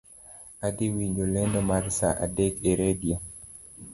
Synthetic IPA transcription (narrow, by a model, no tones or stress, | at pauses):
adiwiɲɡolɛndɔmaɾsa̰ʔa̰dɛkeɾedija